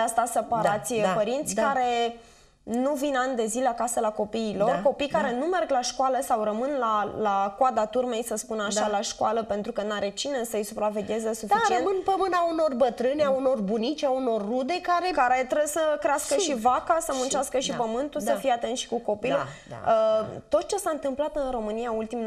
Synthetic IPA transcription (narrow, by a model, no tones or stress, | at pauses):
ast̪asepaɾat̪sʲpəɾint̪sʲkaɾe̞ | nuvinanʲd̪e̞zileakasəlako̞piːlo̞rko̞pijkaɾe̞nume̞rɡlaʃkwaləsawrəmɨnlalakwad̪at̪urme̞jsəspunaʃalaʃkwaləpe̞nt̪ɾukənaɾet͡ʃinesəɨjsupɾave̞ɡʲjezəsufit͡ʃiemɨnpəmɨnauno̞rbət̪ɾɨnauno̞rbunit͡ʃʲauno̞rːud̪e̞kaɾekaɾe̞t̪ɾebsəkɾeaskəʃivakasəmunt͡ʃeaskəʃipəmɨnt̪usəfijeat̪e̞nʃi̥kuko̞pil̰ | ət̪o̞t̪̚t͡ʃe̞saɨnt̪ɨmplat̪ɨnro̞mɨnijault̪im